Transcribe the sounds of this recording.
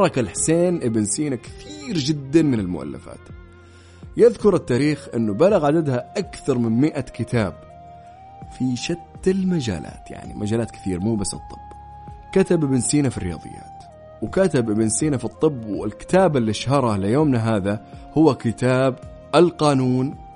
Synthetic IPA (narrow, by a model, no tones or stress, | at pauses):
ɾˤɑkalħseːnʔɪbɪnsiːnakɪ̥θiːɾd͡ʒɪd̪ːanmɪnɪlmʊ̰ʔa̰lːa̰fa̰ːt̪ | jɪðkʊɾˤɪt̪ːaːɾiːxʔɪ̰nːʊbalaɣʕad̪ad̪haʔakθɑɾˤmɪnmɪʔakɪt̪ʰaːb | fiʃat̪ːɪlmad͡ʒa̰ːla̰ːt̪ja̰ʕnḭmʔad͡ʒaːlaːt̪̚kɪ̥θiːɾamuːbasːɨ̰t̪ˤːɨ̥b̥ː | kat̪abʔɪbɪnsiːnafirːɪjɑ̰ːðˤɨ̰jːa̰ːt̪ | wkat̪abʔɪbɪnsiːnafit̪ˤːɨbːwɪ̰lkɪ̥t̪aːbɪlːiʃhɑɾˤɑlɪjoːmnaɦaːðahʊwːakɪt̪aːb | ʔalqɑːnuːn